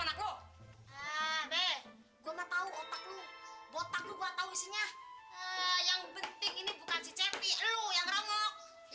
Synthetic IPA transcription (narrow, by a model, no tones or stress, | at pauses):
nak̚loəbɛh | ɡuamat̪auot̪ak̚lubot̪ak̚luɡuat̪ausiɲaəjaŋbənt̪ɪŋinibukansit͡ʃɛpiəlujaŋɾoŋɔk̚